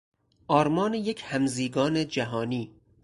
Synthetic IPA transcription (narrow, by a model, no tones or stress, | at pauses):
ʔɒːɾmɒːnejekʰhæmziːɡɒːned͡ʒæɦɒːniː